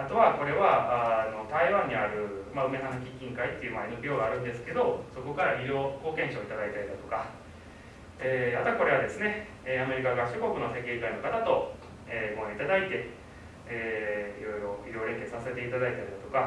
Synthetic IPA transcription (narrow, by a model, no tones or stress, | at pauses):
at̪o̞βako̞ɾe̞βaano̞t̪aiβãɲ̟ːiaɾɯ̟maɯ̟me̞sanakʲikʲːĩŋkait̪ːe̞iɯ̟mainobɾʲjo̞ːɡaːɾɯ̟̃nd̪e̞sɨ̥ke̞d̪o̞so̞ko̞kaɾaɾʲiɾʲo̞ːɡo̞kẽ̞ɰ̃ɕoːit̪ad̪ait̪aɾid̪at̪o̞ka | eːat̪oako̞ɾe̞ad̪e̞sɨne̞ | eame̞ɾʲikaɡaɕoko̞kɯ̟nose̞keikaino̞kat̪at̪o̞ | eːmoit̪ad̪ait̪e̞ː | ḭɾo̞jɾo̞iɾoːɾẽ̞ŋke̞t͡sɨ̥sase̞t̪e̞it̪ad̪ait̪aɾʲid̪at̪o̞ka